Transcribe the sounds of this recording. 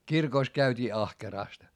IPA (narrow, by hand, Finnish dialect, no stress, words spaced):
kirkoˑs kæytʲiː ɑhkerɑˑst